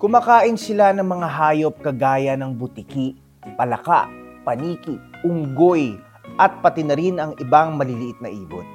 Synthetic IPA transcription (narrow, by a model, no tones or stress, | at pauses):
kʊmɐkaːʔɪnsɪlanɐŋmɐŋaɦaːjo̞p̚kɐɡaːjɐnɐŋbʊt̪ikiʔ | pɐlɐka̰ʔpɐniːkɪʊŋɡoj | ʔɐt̪̚pɐt̪ɪnɐɾinɐŋɪbaŋmɐlɪlɪʔɪt̪̚nɐʔiːbo̰t̪